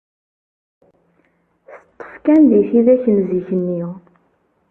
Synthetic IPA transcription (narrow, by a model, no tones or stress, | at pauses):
θət̪ˤːə̥fkænðiθiðæçənziçənːi